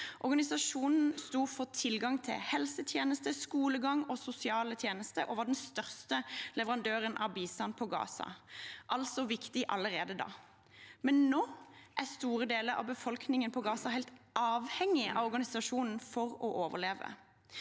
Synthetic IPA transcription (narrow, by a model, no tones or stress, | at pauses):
ʔɔʁɡɑnɪsɑʂuːnn̩st̪uːfɔt̪ʰɪlɡɑŋt̪ʰɪ̰lhɛlsət̪ʰjeːnəst̪əskuːləɡɑŋɔsʊsɪɑːlət̪ʰjeːnəst̪ə̰ʔɔʋɑːɖɛnst̪œʁst̪əlɛʋəʁɑnd̪øːʁənʔɑ̰biːst̪ɑnpʰɔɡɑ̰ːsɑ̰ʔɑlsɔʋɪkt̪ɪʔɑləʁeːd̪əd̪ɑ̰ː | mɛnnoːʔæst̪uːʁəd̪eːləɾɑ̰ʋbəfɔlknɪŋənpʰɔɡɑːsɑɦæɪt̪ʔɑːʋhɛŋɪʔɑ̰ʋɔʁɡɑnɪsɑʂuːnn̩fɔʁɔʔoːʋə̰ʁleːʋə̰